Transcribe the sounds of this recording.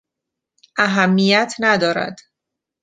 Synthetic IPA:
ʔæɦæmːijæt̪ʰnæd̪ɒːɾæ̰d̪̥

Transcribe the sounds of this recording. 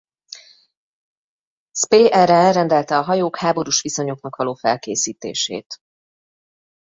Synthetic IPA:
speːʔɛɾɛrɛnd̪ɛlt̪ɛɒɦɒjoːkhaːbo̞ɾuʃʋiso̞ɲo̞knɒkʋɒloːfɛlkeːsiːt̪ḛːʃḛːt̪

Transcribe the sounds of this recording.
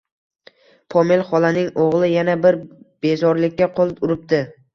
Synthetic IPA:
pʰɒme̞lˠχɒlˠanɪŋoʁlˠɪjanabɪɾb̥e̞zɒɾlɪkʲːaqʰolˠɪpʊɾɪp̚d̪ɪ

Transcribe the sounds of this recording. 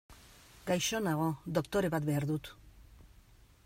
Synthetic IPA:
ɡajʃo̞naɣ̞o̞d̪o̞kt̪o̞ɾe̞βat̪̚be̞aɾðut̪

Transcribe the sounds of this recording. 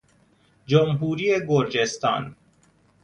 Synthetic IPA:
d͡ʒomɦuːɾiːeɡoɾd͡ʒest̪ɑ̰ːn

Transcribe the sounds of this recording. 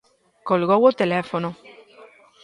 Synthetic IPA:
kolɣowot̪elefono

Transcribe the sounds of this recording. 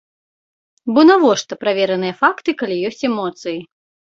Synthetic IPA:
bɔnavɔʂt̪ɐpɾavʲɛɾɐnɨjɐfakt̪ɨkalʲijɔsʲt͡sʲɛmɔt̪sɨji

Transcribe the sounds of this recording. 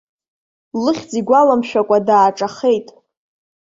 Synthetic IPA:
lɨχʲd͡ziɡʷalamʃᶣakʷʼadaːʈ͡ʂʼaχe̞jtʼ

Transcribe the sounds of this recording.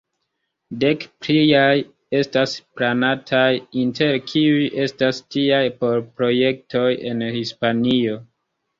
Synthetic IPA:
de̞kpɾijaj | e̞stasplanatʰajinte̞ɾkʰiujʔe̞stastiajpo̞ɾpɾo̞je̞k̚to̞je̞nhispanio̞

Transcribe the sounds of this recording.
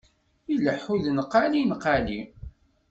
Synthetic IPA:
ilːəħuðnqːalinəqali

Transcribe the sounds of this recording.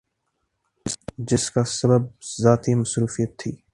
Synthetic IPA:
d͡ʒɪskasɐbəb̚zaːt̪imɐsɾuːfijət̪ʰːḭː

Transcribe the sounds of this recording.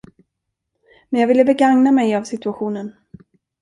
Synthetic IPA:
mɛnjɑɡvɪlːəbɛɡaŋnamɛjavsɪt̪ɵaɧuːnən

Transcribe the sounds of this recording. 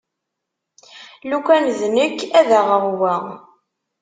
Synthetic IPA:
lukʷænðnəkːæðæʁəʁwæ

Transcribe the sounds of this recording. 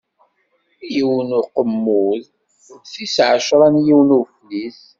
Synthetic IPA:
jiwnʊqəmːʊð | θisʕəʃɾˤɑnjiwnuflis

